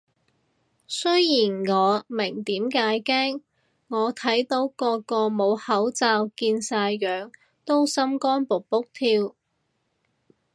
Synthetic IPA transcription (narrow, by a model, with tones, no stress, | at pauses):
sɵ˥jjiː˨˩nŋɔː˨˧mɪ˨˩ŋt̪iː˨˥mkaː˨˥jkɛː˥ŋ | ŋɔː˨˧t̪ʰɐ˨˥jt̪o˨˥wkɔː˧kɔː˧mo˨˧whɐ˨˥wt͡saː˧wkiː˧nsaː˧jːœː˨ŋ | t̪o˥wsɐ˥mkɔː˥npo˨k̚pʊ˥k̚t̪ʰiː˧w